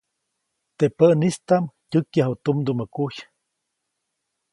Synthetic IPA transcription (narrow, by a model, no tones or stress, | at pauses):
t̪epəʔnist̪amcʲukjaɦut̪umd̪uməkuç